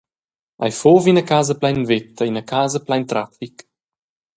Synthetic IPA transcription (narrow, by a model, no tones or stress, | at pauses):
ʔa̰jfoːvinəkaːzəplajnvɪt̪ːəinəkʰaːzəplajnt̪ɾafik